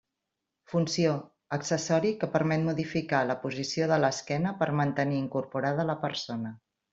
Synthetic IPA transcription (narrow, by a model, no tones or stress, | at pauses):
funsio | əksəsɔɾikəpəɾmɛt̪muðifikaləpuzisioðələskɛnəpəɾmənt̪əniːŋkuɾpuɾað̞ələpəɾsonə